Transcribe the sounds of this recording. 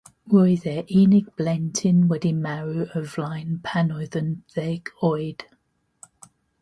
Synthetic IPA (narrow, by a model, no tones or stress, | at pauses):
ɹɔɪðɛʔiːnɪɡ̚b̥lɛntʰɪ̃nwɛdimaɹuəvlãɪ̃npʰanɔðənθɛɡɔɪd̥